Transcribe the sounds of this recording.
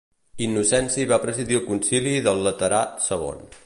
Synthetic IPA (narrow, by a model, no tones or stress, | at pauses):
inːusɛnsiβapɾəziðiəlˠkunsiliðəlˠːət̪əɾasəɣ̞o̰n